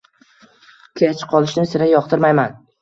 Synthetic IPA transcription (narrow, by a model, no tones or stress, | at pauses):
kʲʰeat͡ʃʰɪ̥qʰɒlˠɪʃnɪsɪɾajɒqt̪ʰɪɾmajman